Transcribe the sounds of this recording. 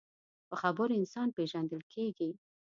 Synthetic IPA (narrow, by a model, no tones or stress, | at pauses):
pəxabəɾɪnsɑnpeʒand̪əlkʰeɡi